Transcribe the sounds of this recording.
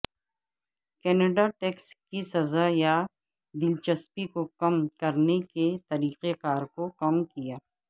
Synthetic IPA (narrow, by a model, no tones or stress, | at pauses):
kɛːneɖaʈeːkskisɐzaja | d̪ɪlt͡ʃɐspikokɐmkɐɾneket̪ɐɾiːqekaːɾkokɐmkijaː